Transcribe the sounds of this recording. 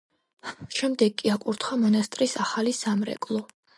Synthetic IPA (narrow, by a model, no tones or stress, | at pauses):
ʃɛmd̪ɛɡ̚kʼiakʼuɾt̪ʰχamɔnast̪ʼɾisaχalisamɾɛ̰kʼlˠɔ